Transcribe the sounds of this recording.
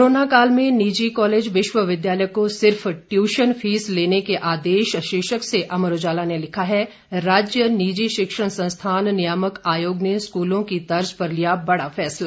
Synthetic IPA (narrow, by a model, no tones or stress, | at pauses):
ɾoːnakaːlmẽniːd͡ʒikɔːleːd͡ʒʋɪʃʋəʋɪd̪jaːləjkosɪɾfʈjuːʃənfʰiːsleːnekeʔaːd̪eːʃʃeːʃəkseʔɐməɾoːd͡ʒaːlanelɪkʰaɦɛ | ɾaːd͡ʒjəniːd͡ʒiʃɪkʃəɽ̃sɐ̃st̪ʰaːnnɪjaːməkaːjoːɡneskuːlõkit̪ɐɾd͡ʒpɐɾlijabɐɽafɛːsla